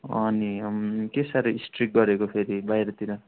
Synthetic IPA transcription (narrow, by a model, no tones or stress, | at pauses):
ʌnikesaɾʌisʈrik̚ɡʌɾekopʰeɾibajɾʌt̪iɾʌ